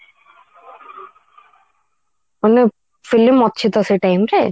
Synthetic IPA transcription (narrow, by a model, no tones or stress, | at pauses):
one | filimːɔt̪̚ːt͡ɕʰit̪aseʈajmɾe